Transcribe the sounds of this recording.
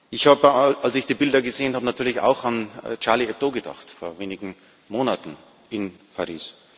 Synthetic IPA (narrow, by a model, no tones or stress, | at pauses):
ʔɪçhaːbəalsɪçd̥iːbɪldɐɡəzeːənhaːbənatʰyːɐlɪça̰ʊxant͡ʃaɐliɛt̚d̥oːɡəda̰χtfoːɐveːnɪɡŋ̩ | moːnatn̩ | ɪnpʰaʁiːs